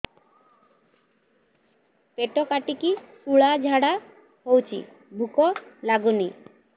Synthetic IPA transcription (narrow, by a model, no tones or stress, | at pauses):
peʈɔkaʈikisuɭad͡ʒʱaɽa | ɦowt͡ʃʰḭ | bʱukɔlaɡuni